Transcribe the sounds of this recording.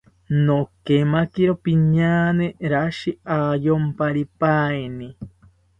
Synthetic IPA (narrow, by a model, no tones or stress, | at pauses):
nokemakiɾopiɲaːneɾaʃiajompaɾipaenĩ